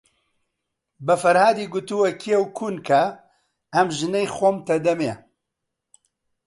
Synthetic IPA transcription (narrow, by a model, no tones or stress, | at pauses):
bɐfɐɾhaːd̪iɡʊt̪uwɐkʰijɛwkʰuːnkʰɐ | ɐmʒɨnɛjxoːmt̪ɐd̪ɐme